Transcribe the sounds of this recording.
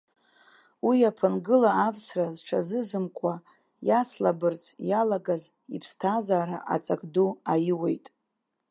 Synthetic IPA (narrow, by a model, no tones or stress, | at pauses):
wiapʰɨnɡɨlaːvsrazʈ͡ʂʰazɨzɨmkʷʼa | jat͡sʰlabɨrt͡sʰʼjalaɡaz | ipʰstʰazaːɾa̰ʔa̰t͡sʼakʼduajɪwejtʼ